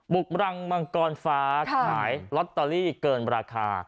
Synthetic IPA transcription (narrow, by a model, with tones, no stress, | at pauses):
bu˨˩k̚ɾa˧ŋbaː˧ŋkɔː˧nfaː˦˥kkʰaː˩˦jlɔ˦˥t̪ːɔː˧liː˥˩kɤː˧nɾaː˧kʰa̰ː˧